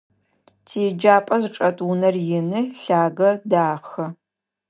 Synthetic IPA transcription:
tʰeːd͡ʒaːpʼɐzɨʈ͡ʂʼɐtʼunɐrjɪnɨɬaːɡɐdaːxɐ

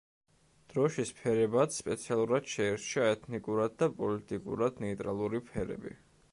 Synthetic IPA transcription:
d̪̥ɾɔʃispʰɛɾɛbat̪sspʼɛ̰t̪sʰialˠuɾad̪̥ʃɛɛɾt͡ʃʰaɛt̪ʰnikʼuɾad̪̚d̪apʼɔlit̪ʼikʼṵɾad̪nɛit̪ʼɾalˠuɾipʰɛɾɛ̰bḭ

